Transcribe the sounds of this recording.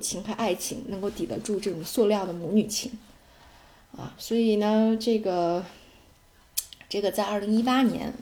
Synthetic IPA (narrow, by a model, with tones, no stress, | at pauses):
t͡ɕʰi˧˥ŋxa˧˥ʔa˥˩ɪt͡ɕʰḭ˧˥ŋnɤ˧˥ŋko˥˩ʊt̪i˨˩d̪ə̰˧˥ʈ͡ʂu˥˧ʈ͡ʂɤ˥˩ʈ͡ʂʊ˨˩ŋswɔ˥˧ljɑ˥˩ʊd̪ə˩mɔ˧˥ny˨˩t͡ɕʰi˧˥ŋ | ɐ̰˧˩swɔ˧˥i˨˩nə˧ʈ͡ʂɤ˥˩ɡə˩ | ʈ͡ʂɤ˥˩ɡə˩t͡sa˥˧ɪɐ˞˥˩li˧˥ŋi˥pa˥njɛ̰˧˥n